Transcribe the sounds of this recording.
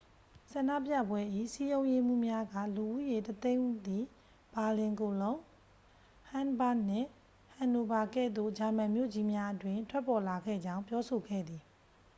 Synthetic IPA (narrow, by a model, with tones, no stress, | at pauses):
sã˨na̰˦˨pja̰˦˨bwɛ˦ʔḭ˦˨si˦jõ˦ʊ̃je˦m̥ṵ˦˨mja˦ɡä̰˦˨lu˨ʔṵ˦˨je˨tət̪ẽ˦ɪ̃d̪i˨ | b̥a˨lɪ̃˨ŋko˨lõ˦ʊ̃ | hã˦nba˦ʔn̥ɪ̰̃˦˨ | hã˨no˨ba˨kɛ̰˦˨d̪o̰˦˨d͡ʑa˨mã˨mjo̰˦˨d͡ʑi˦mja˦ʔətwɪ̃˦˨ntʰwɛ˦pːɔ˨la˨ɡɛ̰˦˨d͡ʑã˦ʊ̃mpjɔ˦so˨ɡɛ̰˦˨d̪i˨